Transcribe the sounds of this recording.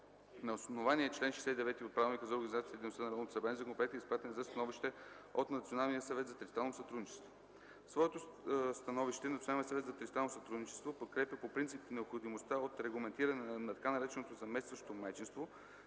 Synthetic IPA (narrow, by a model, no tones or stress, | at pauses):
nɐosnovaniɛːt͡ʃlɛnʃɛsɛid̪ɛvɛt̪iot̪̚pɾavlˠnikəzɐoɾɡɐnizat̪sijət̪id̪ɛinost̪anɐɾɔvnot̪osɐbɾanizɐkonpɛɛt̪iəispɾat̪ɛnzɐst̪ɐnɔviʃt̪ɛ | ot̪nɐt̪sionalˠnijəsɐvɛt̪zɐt̪ɾist̪ɾalˠnosɐt̪ɾud̪nit͡ʃɛ̥st̪vo | svɔɛt̪ost̪ɐnɔviʃt̪ɛnt̪sionalnijəsvɛt̪zɐt̪ɾit̪t̪ɾalnosɐt̪ɾud̪nit͡ʃɛ̥st̪vopot̪̚kɾɛpʲjəpopɾint̪sipnɛopxod̪imost̪aot̪ɾɛɡlˠɐmɛnt̪iɾɐnɛnɐt̪ɐkanɐɾɛt͡ʃɛnot̪ozɐmɛst̪vəʃot̪omajt͡ʃinst̪vo